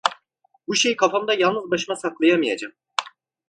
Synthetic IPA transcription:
buʃejkʰafamd̪ajalˠnɯzbaʃɯmasaklˠajamɯjad͡ʒam

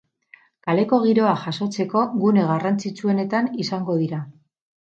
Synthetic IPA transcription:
kale̞ko̞ɣ̞iɾo̞aʝaso̞t͡se̞ko̞ɣune̞ɣarant͡sit͡sue̞ne̞t̪anisaŋɡo̞ð̞iɾa

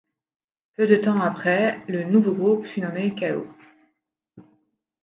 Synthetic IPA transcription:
pød̪ət̪ɑ̃apχɛlənuvoɡʁupfynɔmekao̰

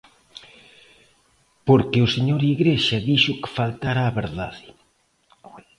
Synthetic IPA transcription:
poɾkɪʊseɲoɾiɣɾeʃɐðiʃʊkɪ̥falt̪aɾaːβeɾða̰ðɪ

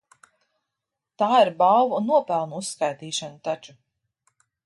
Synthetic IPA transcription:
t̪aːiɾbawvnuɔpælˠnuusːkajt̪iːʃanut̪at͡ʃu

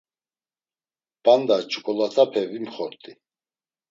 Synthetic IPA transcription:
b̥and̪at͡ʃʰʼukʼɔlat̪ʰapʰɛvimχɔɾt̪ʼi

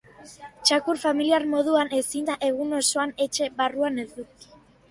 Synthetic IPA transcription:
t͡ʃakuɾfamiliaɾmo̞ðuane̞sind̪aʔe̞ɣ̞uno̞so̞ane̞t͡ʃe̞βaruane̞zd̪uki̥

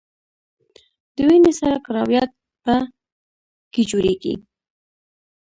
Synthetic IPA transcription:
d̪̥əwinesaɾakaɾɑwjat̪̚ | pa | ked͡ʒoɾeɡḭ

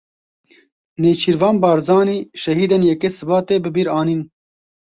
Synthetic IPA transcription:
neːt͡ʃʰiːɾvɑːnbɑːɾzɑːniːʃɛɦiːd̪enjɛkesɨbɑːt̪eːbɨbiːɾaːniːn

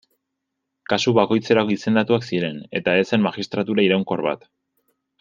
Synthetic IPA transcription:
kasuβako̞jt͡se̞ɾakise̞nd̪at̪uaksiɾe̞ne̞̰t̪ae̞se̞nmaxist̪ɾat̪uɾaiɾawŋko̞ɾβa̰t̪

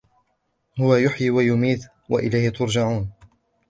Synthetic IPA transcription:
hʊwajʊħjiːwajʊmiːt̪ | wa̰ʔɪlajhɪt̪ʊɾd͡ʒaʕuːn

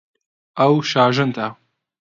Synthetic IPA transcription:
ʔɐwʃaːʒɨnt̪ʰa

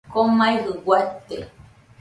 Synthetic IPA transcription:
komãjɦɨwat̪ḛ

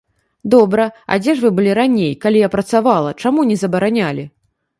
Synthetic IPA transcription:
d̪ɔbɾɐa̰d͡zʲɛʐvɨbɨlʲiɾanʲejkalʲijapɾɐt̪savalˠɐt͡ʂamunʲɛzɐbɐɾanʲalʲi

